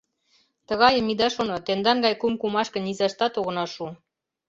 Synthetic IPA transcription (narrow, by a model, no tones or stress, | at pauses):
t̪ə̆ɣɑjə̆mid̪ɑʃonot̪end̪ɑŋɡɑjkumkumɑʃkə̆nizɑʃt̪ɑt̪oɣɤ̆nɑʃu